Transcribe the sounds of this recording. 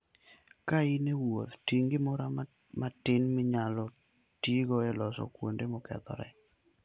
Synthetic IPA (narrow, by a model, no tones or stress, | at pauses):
kainewo̰t̪tiŋɡɪmɔɾa | matɪnmɪɲalɔ | tiɡoɛlɔsɔ̰kwondemɔkɛ̰t̪ɔ̰ɾɛ̰